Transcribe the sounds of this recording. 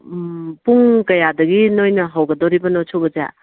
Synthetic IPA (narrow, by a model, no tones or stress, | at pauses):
puŋkɐjadɐɡinojnɐɦawɡɐdoɾibɐnosʰobɐd͡ʒa̰